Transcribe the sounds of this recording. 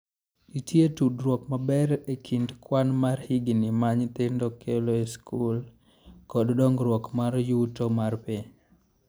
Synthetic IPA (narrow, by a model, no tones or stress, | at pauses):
itjetudɾwɔkmabɛɾekʰindkwanmarhiɡnimaɲt̪ɪndokʰeloeskʰul | kɔddɔŋɡɾwɔkmaɾjutomarpiɲ